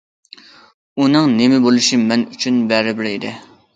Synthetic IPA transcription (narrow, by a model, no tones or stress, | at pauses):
unɨŋnemɪbolˠuʃimɛnyt͡ʃʰynbɛɾɪbɪɾid̪ɪ